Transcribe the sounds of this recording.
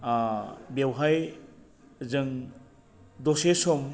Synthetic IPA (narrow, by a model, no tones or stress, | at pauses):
bewɦaj | zɯŋ | dɔsesɔm